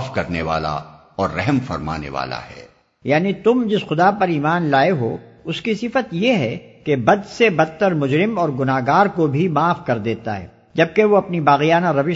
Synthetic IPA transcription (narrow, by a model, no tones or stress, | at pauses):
fkɐɾneʋa̰ːla̰ | ɔːɾːɛɦmfɐ̰ɾma̰ːnḛʋa̰ːla̰hɛ̰ː | jaːnit̪ʊmd͡ʒɪsxʊd̪apɐɾiːmaːnlaːeɦo̰ː | ʊskisɪfət̪jeɦɛkebɐd̪sebɐt̪ːəɾmʊd͡ʒɾɪmɔːɾɡʊnaːɦɡaːɾkobʱimaːfkɐɾd̪eːt̪aɦɛ̰ː | d͡ʒɐb̚keʋoɐpnibaːɣijaːnaɾɐʋɪ